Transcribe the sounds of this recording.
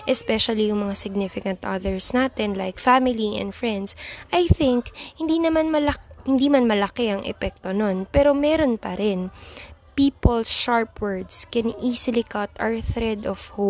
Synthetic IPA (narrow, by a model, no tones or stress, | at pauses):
ʔɛspɛʃɐlijʊŋmɐŋasɪɡ̚nɪfɪkɐ̃nt̪ʔɐðɛɹsnaːt̪ɛnlajkfamɪliɛ̰nfɹɛnd̪sʔɐjθɪŋkhɪnd̪inɐmanmɐlɐhɪnd̪imanmɐlɐkɪɐŋʔɛ̰pɛk̚t̪ononpɛɾo̞mɛːɾo̞npɐɾɛnpiːpolsʃaɹpwɛɹd̪skɛniːsɪlikɐt̪ɐɹθɾɛd̪ɔfho